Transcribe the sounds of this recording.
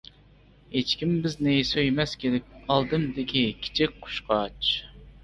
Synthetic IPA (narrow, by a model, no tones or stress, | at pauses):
het͡ʃkʲimbɪznɪsøjmɛskʲed̪ɛk̚ʲɑlˠd̪ɨmd̪ɪkʲʰikʲʰi̥t͡ʃʰik̚ʲqʰʊ̥ʃqʰɑt͡ʃ